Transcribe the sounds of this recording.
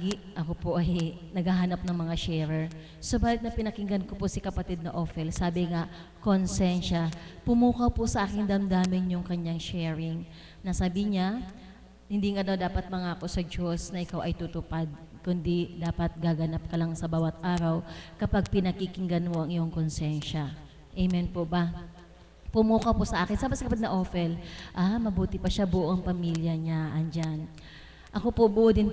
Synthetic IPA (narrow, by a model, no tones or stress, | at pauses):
ɡi | ʔɐkopoʔɐj | nɐɡaɦanɐp̚nɐŋmɐŋaʃɛːɾɛɹ | so̞baːlɪt̪̚nɐpɪnɐkɪŋɡɐnkoposɪkɐpɐt̪ɪd̪̚nɐʔoːfɛlsaːbɪŋa | konsɛnʃapʊmuːkɐwposɐʔaːkɪnd̪ɐmd̪aːmɪnjʊŋkɐɲaŋʃɛːɹɪŋ | nɐsabiɲa | hɪnd̪iːŋɐnod̪aːpɐt̪̚mɐŋaːko̞sɐd͡ʒosnɐʔɪkawʔɐjt̪ut̪ʊpad̪̚ | kʊnd̪id̪aːpɐt̪̚ɡaɡɐnap̚kɐlɐŋsɐbaːwɐt̪̚ʔaːɾɐwkɐpaɡ̚pɪnɐkikɪŋɡɐnmoʔɐŋʔɪjoŋkonsɛnʃɐ | ʔɛjmɛnpoʔbɐ | pʊmuːkɐwposɐʔaːkɪnsabɐskɐpaɡ̚nɐʔoːfɛlʔamɐbuːt̪ɪpɐʃabʊʔoʔɐŋpɐmiljɐɲaʔɐnd͡ʒan | ʔɐko̞pobʊʔʊd̪ɪn